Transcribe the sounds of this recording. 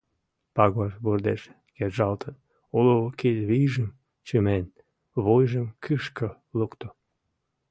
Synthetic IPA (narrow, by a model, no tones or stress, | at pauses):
pɑɣɑʃβurd̪eʃ | kerʒɑlt̪ʰən | oloked̪βijʒəm | t͡ɕømen | βojʒəmkʰɨʃkə | lokt̪o